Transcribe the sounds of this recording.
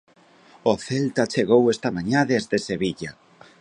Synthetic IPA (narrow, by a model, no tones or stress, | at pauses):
oθelt̪at͡ʃeɣowest̪amãɲaðezðeseβiʎa